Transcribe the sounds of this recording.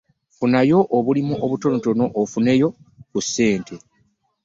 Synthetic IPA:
funajo̞ʔːβulimuʔoβuto̞noto̞no̞ʔːfune̞jo̞kusːe̞ːntʰe̞

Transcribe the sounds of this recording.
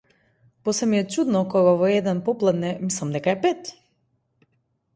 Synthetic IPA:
pɔsɛmiɛt͡ʃud̪nɔkɔɡavɔɛd̪ɛnpɔplˠad̪nɛmislˠamd̪ɛkaɛpɛt̪

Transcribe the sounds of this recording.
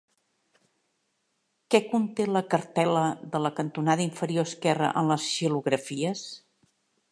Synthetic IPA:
kɛkunt̪eləkəɾt̪ɛləðələkənt̪unaðəiɱfəɾioəskɛrə̰ʔənləsʃiluɣɾəfiəs

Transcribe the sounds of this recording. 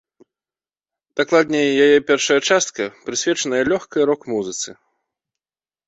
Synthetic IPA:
d̪̥aklˠad̪ʲnʲɛjajɛpʲɛrʂɐjɐt͡ʂast̪̚kɐpɾɨsʲvʲɛt͡ʂɐnɐjɐlʲɔxkɐjɾɔkmuzɨt̪sɨ

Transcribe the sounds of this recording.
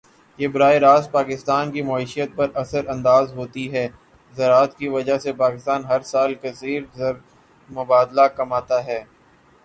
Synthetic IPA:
jeːbʊɾaːiɾaːspaːkɪst̪aːnkimaːiːʃijət̪̚pɐɾɐsəɾɐ̃nd̪aːzɦoːt̪iɦɛː | zɐɾaːt̪kiʋɐd͡ʒasepaːkɪst̪aːnɦɐɾsaːlkɐsiːɾzɐɾ | mʊbaːd̪lakɐmaːt̪aɦɛː

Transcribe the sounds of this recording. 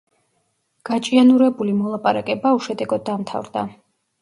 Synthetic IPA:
ɡ̥at͡ʃʼianuɾɛbulimɔlˠapʼaɾakʼɛbauʃɛd̪ɛɡɔd̪ːamt̪ʰa̰vɾd̪a

